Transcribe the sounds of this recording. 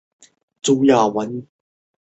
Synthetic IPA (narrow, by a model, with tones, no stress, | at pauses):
t͡su˧˦jaː˨˩wɐ˨˦n